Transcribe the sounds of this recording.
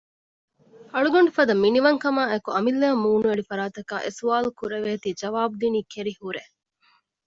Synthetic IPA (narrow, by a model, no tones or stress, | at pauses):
ɐɭuɡoɳɖufɐd̪ɐminiʋɐŋkɐmaːekuɐmilːaːmːuːnueɭifɐɾaːt̪ɐka̰ːʔesuʋaːlukuɾeʋeːt̪iːd͡ʒɐʋaːbud̪iniːkeɾihuɾe